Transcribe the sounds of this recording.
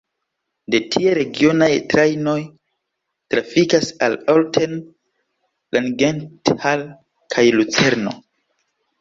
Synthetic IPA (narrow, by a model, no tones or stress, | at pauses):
de̞tʰieɾe̞ɡio̞najtɾajno̞j | tɾafikasaloltʰen | lanɡenthal | kʰajlut͡se̞ɾno̞̰